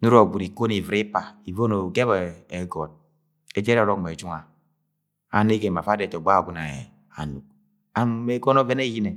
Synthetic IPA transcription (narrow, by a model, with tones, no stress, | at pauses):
nu˦ɾo˨ɡu˨ɾi˨ko˦ni˨vɾi˦pa˨i˨vo˦no˨ɡe˦βa˨e˨ɡɔ˨t̚ | e˦d͡ʒe˦ɾɔ˨ɾɔ˦km˨e˨d͡ʒu˦ŋa˨ | a˨ne˦ɡe˨m˨a˨fa˦de˨to˨ɡ͡ba˦˨ɡʷu˨˦na˨ɛ̰˨ | a̰˨nu˨k̚ | a˨m˦me˦ɡo˦no˦ve˦ne˦ji˦ne˨